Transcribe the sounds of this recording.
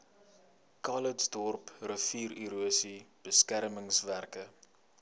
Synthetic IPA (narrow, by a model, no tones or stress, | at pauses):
kɑlətsdɔrprəfiːɾiɾuəsib̥əskærməŋsværkə